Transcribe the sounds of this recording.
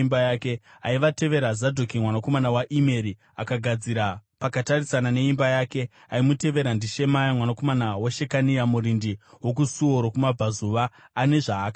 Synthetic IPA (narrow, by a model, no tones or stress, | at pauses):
mbajaːke̞aiʋate̞ʋe̞ɾazadʱokimwanako̞manawaʔime̞ɾi | akaɡʱad͡ziɾapakatarisanane̞imbajaːke̞ | aimute̞ʋe̞ɾandiʃe̞majamwanako̞manawaʃe̞kanijamuɾindiwo̞k̬usuoɾokumab͡vazuʋaːne̞ʐaːka